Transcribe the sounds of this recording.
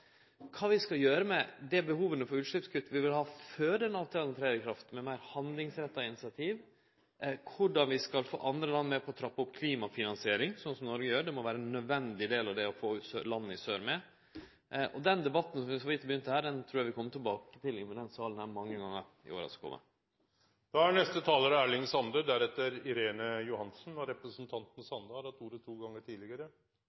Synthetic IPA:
kʰɑːʋɪskɑljøːɾəmɛd̪ɛbəhuːʋənəfɔɾʉːt̪ʂɭɪpskʰʉt̪ːəʋɪʋɪlhɑːføːd̪ənɑʋt̪ʰɛɑlt̪ʰɾæɪɾəkʰɾɑft̪mɛmæɪɾhɑnd̪lɪŋsɾɛt̪ːɑɪnɪsɪɑt̪ʰiːʋ | kʰʊɖɑnʋɪskɑlfo̰ːʔɑnd̪ɾəlɑnːmɛpʰɔɔt̪ʰɾɑpːɑʊpkʰliːmɑfɪnɑnsɪeːɾɪŋsɔnsɔmnɔɾɡəjøːɾɖɛmɔʋæːɾəɛnːœd̪ʋɛnd̪ɪd̪eːlɑʋd̪ɛɔfoːʉsølɑnːəɪsøːɾmɛ | ʔɔd̪ɛnd̪ɛbɑt̪ːn̩sɔmʋɪhɔʋɪt̪ːəbəjʏnt̪ːəhæːɖɛnt̪ʰɾuːɾjɑʋɪkʰɔmːət̪ʰɪlbɑːkə̥t̪ɪlɪnməd̪ɛnsɑːlnhæɾmɑŋːəɡɑŋːəɾ | ɪ̰o̰ːʋɾɑ̰skʰɔ̰mʔə̰ | d̪̥ɑæɳɛst̪ət̪ʰɑːləɾəæːɭɪŋsɑnd̪əd̪æɾɛt̪ːəɾɪɾeːnəjʊhɑnsn̩ɑɾɛpɾəsnt̪ʰɑnt̪n̩sɑnd̪əhɑɾhɑt̪uːɾət̪ʰuːɡɑŋːəʈʰiːlɪɡəɾə

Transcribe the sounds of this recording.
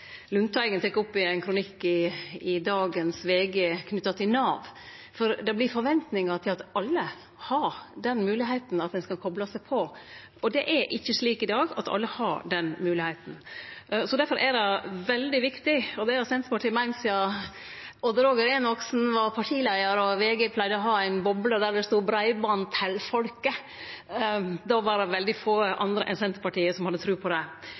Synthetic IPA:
lʉnt̪ʰɑɪɡənt̪ɛkːʊpːɪæɪnkʰɾʊnɪkːɪɪd̪ɑːɡənsʋeːɡəkʰnʏt̪ːɑt̪ʰɪlnɑːʋ | fɔɾd̪ɑblɪɾfɔɾʋɛnt̪nɪŋɑt̪ʰɪlɑt̪ɑlːə | hɑɾɖ̪ɛnmʉːlɪɦeɪt̪n̩ɑt̪̚d̪ɛnskɑlkʰɔblɑsæɪpʰɔ | ɔd̪ɛʔæɾʔɪçːəʂliːkɪd̪ɑːɡɑ̰t̪ʰɑ̰lːəhɑɾɖɛnmʉːlɪheɪt̪n̩sɔd̪æɾfɔɾʔæɾɑʋɛld̪ɪʋɪkt̪ɪɔd̪ɛɑsɛnt̪pɑʈʰiːmæɪnsɪɑ | ɔd̪əɾoːɡəɾenɔksn̩ʋɑɾpʰɑʈʰiːlæɪəɾɔʋeːɡɛpʰlæɪd̪əɔɦɑːæɪnbɔbləd̪æːɖɛst̪uːbɾæɪbɑːnnt̪ʰɪlfɔlkə | d̪ɑʋɑɾɑʋɛld̪ɪfoːəʔɑ̰nd̪ɾə̰ʔɛ̰sɛnt̪əpɑʈiːəsɔmhɑd̪ːət̪ʰɾʉːpʰɔd̪ɛ

